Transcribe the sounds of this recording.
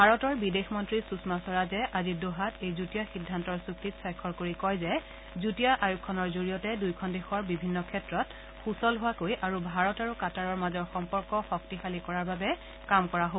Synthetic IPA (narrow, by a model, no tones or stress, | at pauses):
bʱaɹɔtɔɹbidexmɔntɹisusmasɔɹazɛʔazidoɦatejzutijaxidʱːantɔɹsuktitsajkʰːɔɹkoɹikɔjzɛ | zutijaʔajukʰːɔnɔɹzoɹijɔtɛdujkʰɔndexɔɹbibʱinːɔkʰɛtɹɔt | xusɔlɦʊwakojʔaɹubʱaɹɔtaɹukataɹɔɹmazɔɹxɔmpɔɹkɔxɔktixalikɔɹaɹbabɛ | kamkɔɹaɦo